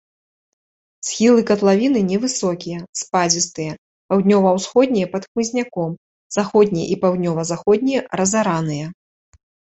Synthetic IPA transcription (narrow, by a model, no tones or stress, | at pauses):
sxʲilˠɨkɐt̪lˠavʲinɨnʲɛvɨsɔkʲijɐspad͡zʲist̪ɨjɐ | pawd̪ʲnʲɔvɐwsxɔd̪ʲnʲijɐpɐt̪xmɨzʲnʲakɔm | z̥axɔd̪ʲnʲijɛ̰ʔipawd̪ʲnʲɔvɐzaxɔd̪̚ʲnʲijɐɾɐzaɾanɨjɐ